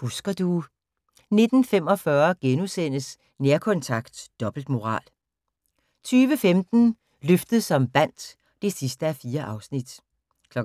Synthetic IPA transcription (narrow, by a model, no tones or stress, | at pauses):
husɡ̥ɐd̥u | ne̝d̥n̩fem̰ɒ̽fɶɐɡ̥enusen̰əs | neɐkʰɒ̽nt͡sʰɑ̈ɡ̥d̥d̥ɒ̽b̥l̩d̥mo̝ʁɑ̰̈ːl | t͡sʰyːʋəfemd̥n̩ | løfd̥ð̩ˠsɒ̽mb̥æn̰d̥ | d̥e̝sisd̥əæfiːɐʔɑ̈ʊsnid̥ | kʰlɒ̽